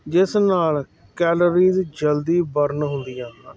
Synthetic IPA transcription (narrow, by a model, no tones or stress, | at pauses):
d͡ʒɪsnaːl | kɛːləɾiːzd͡ʒəld̪iːbəɾnɦʊnd̪iːãː